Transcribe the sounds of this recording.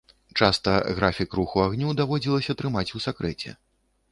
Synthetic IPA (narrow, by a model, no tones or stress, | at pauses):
t͡ʂast̪ɐɣɾafʲikruxuaɣnʲud̪avɔd͡zʲilˠɐsʲɐt̪ɾɨmat͡sʲusakɾɛt͡sʲɛ̰